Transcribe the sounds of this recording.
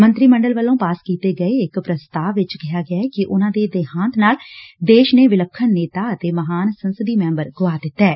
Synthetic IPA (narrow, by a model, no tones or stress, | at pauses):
mə̃nt̪ɾiːməɳɖəlʋəlːõːpaːskiːt̪eːɡəeːɪkpɾəst̪aːʋʋɪt͡ʃkɪɦaːɡɪaɛkɪʔʊnãːd̪eːd̪eːɦãːnt̪naːld̪eːʃneːʋɪləkʰːənːeːt̪aːət̪eːməɦaːnsənsəd̪iːmɛ̃ːmbəɾɡʊʋaːd̪ɪt̪ːɛː